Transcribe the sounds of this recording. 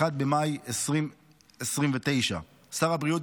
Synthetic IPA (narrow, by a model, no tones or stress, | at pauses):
ad̪̚bemajesʁim | esʁimvet̪e̞jʃa̰ | saʁabʁijot